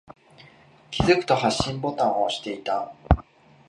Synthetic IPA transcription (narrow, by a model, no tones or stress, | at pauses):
kʲizɨkɯ̟̥t̪o̞haɕːĩmbo̞t̪ãɰ̃oɕi̥t̪e̞it̪a